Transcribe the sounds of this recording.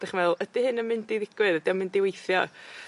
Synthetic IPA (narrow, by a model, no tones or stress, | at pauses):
d̥aχmɛðʊlˠəd̥ihɨnəmɪndiðɪɡ̥wɨðədiəmɪndɪwejθjɔ̰